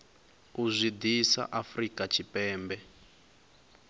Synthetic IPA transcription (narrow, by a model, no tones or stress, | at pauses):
uzʷid̪isa̰ʔafrikat͡ʃʰipɛːmbɛ